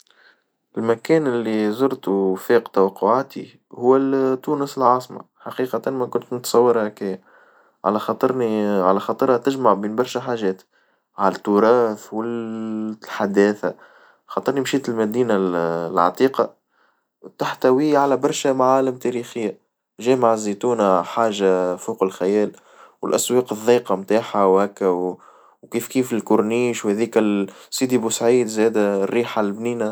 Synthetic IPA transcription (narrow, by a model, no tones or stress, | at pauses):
ʔɪlmækɛːnɪlːizʊɾt̪ufɛːqt̪awɑqːʊʕaːt̪i | hʊwːæt̪ːuːnəsəlʕɑːsˤmɑ̰ | ħɑqiːqɑt̪anmækʊnt̪nʊt̪sˤɑwːɑɾˤhækɪjː | ʕa̰læxɑt̪ˤɨɾniʕalæxɑːt̪ˤɨɾˤhat̪ɪʒmaʕbiːnbɑɾˤʃæħaːʒɛːt̪ | ʕalæt̪ːuɾˤɑːθwɪl | ħad̪ɛːθa | xɑt̪ˤɨɾnimʃiːt̪ɪlmæd̪iːnalʕɑ̰t̪ˤiːqɑ | t̪aħt̪æwiʕalæbɑɾˤʃæmaʕaːlɪmt̪ɛɾiːxɪjːa | ʒɛːmaʕzit̪uːnaħaːʒafuːqɪlxæjɛːl | wɪlʔæswɑːqɨðˤːiːqɑmt̪aːħawhækːæw | wkiːfkiːfɪlkʊɾniːʃwhɛðiːkæsiːd̪ibusʕiːd̪zɛːd̪ærːiːħalbniːna